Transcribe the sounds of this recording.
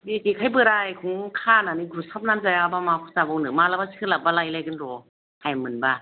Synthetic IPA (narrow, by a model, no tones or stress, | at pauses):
bikikʰajbɯɾajkʰuŋkʰananiɡɾusap̚namzajabamakʰusabɔwnɯmalabasʰɯlap̚balajlajɡɯnɾɔ | hajmɯnba